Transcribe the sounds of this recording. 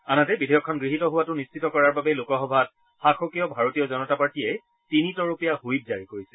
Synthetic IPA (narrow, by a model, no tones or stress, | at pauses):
anatɛbidʱejɔkʰːɔnɡɹiɦitɔɦʊwatʊnist͡ʃʰitɔkɔɹaɹbabɛlokɔxɔbʱat | xaxokijɔbʱaɹotijɔzɔnɔtapaɹtijɛ | tinitɔɹupijahujb̚zaɹikoɹisɛ